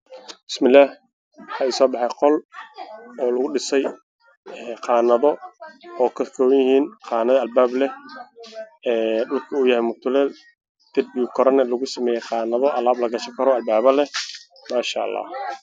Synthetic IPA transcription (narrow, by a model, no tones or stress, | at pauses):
bɪ̥smɪlːaːh | wɑħɑːisɔːbɑħɑjqɔl | ɔːlɐɣʊɖɪsɛj | ɛːqɑːnɐðɔɔːkʰɐkʰɔːwɐjɪhiːnqɑːnɐðɐɐlbaːblɛ | ɛːɖʊlkʰɐuːjɐhɛjmʊt̪ʰʊlɛːl | d̪̥ɛd̪̚biukʰɔɾɐnɐlɐɣʊsɐmɛːjɛjqɑːnɐðɔʔɐlaːblɐɡɐʃɐŋkʰɐɾɔɐlbaːβɐlɛ | maːʃa̰ːɑ̰lːɑ̰ː